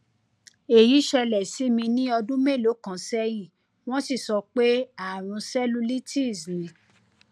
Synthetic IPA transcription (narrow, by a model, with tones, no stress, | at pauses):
e˨ji˨˦ʃɛ˧lɛ˨si˨˦mĩ˧nĩ˦ɔ˧dũ˦me˦˨lo˨˦kã˨sɛ˦jĩ˦˨ | w̃ɔ̃˦si˦˨sɔ˧k͡pe˦a˦˨ɾ̃ũ˧sɛ˦lu˦li˦ti˦˨zĩ˨˦